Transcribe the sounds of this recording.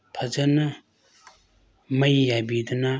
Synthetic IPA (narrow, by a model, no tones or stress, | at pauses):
pʰɐzɐnɐ | mɐjjabid̪ɐna